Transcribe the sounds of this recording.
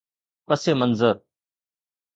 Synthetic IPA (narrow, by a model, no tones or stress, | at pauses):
pəseːmənzəɾ